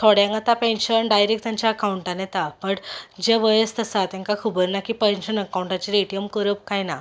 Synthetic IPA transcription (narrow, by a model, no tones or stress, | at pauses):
t̪ʰoɽjãŋɡat̪apẽnɕənɖajɾek̚t̪aɲt͡ɕjaəkawuɳʈanet̪apəɽd͡ʑeʋəjəst̪əsat̪ɛ̃ŋkakʰubəɾnakiːpenɕənəkawɳʈat͡ɕiɾeʈijəmkəɾəp̚kajna